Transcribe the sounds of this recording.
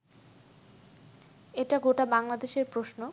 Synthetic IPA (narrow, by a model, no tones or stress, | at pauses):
eʈaɡoʈabaŋlad̪eʃeɾpɾoʃno